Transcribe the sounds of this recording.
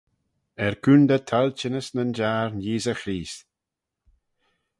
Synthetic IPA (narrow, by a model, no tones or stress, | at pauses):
ɛɹkʰund̪ət̪ʰalt͡ʃɪnəsnənd͡ʒaːɹnjiːzəxɾiːs